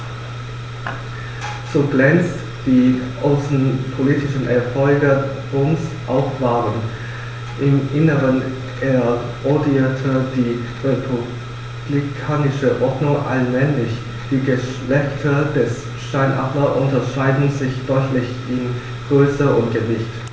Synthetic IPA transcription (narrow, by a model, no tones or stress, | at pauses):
z̥oːɡlɛnt͡st | d̥iːʔaʊsn̩pʰoliːtɪʃn̩ʔɛɐfɔlɡə | ʁʊmsʔaʊxv̥aːʁən | ʔɪmʔɪnəʁən | ʔeːɐ | odiiːɐtʰəd̥iː | ʁepʰu | b̥likʰaːnɪʃəʔɔɐdnʊŋʔa̰lmɛnlɪç | d̥iːɡəʃlɛçtʰəd̥ɛs | ʃaɪnʔa̰ɐʔʊntɐʃaɪdn̩zɪçd̥ɔʏtlɪç | ɪn | ɡ̥ʁøːsəʊntɡ̥əvɪçt